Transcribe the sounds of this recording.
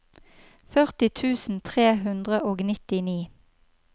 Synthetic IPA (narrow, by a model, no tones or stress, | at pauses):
fœʁt̪ɪt̪ʰʉːsn̩t̪ʰʁeːɦʉnd̪ʁəʔoːɡnɪt̪ɪniː